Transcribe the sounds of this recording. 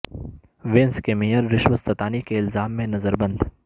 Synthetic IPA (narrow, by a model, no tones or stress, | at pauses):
ʋẽnskemijəɾːɪʃʋəst̪ɐt̪aːnikeɪlzaːmːẽnɐzəɾbɐ̃nd̪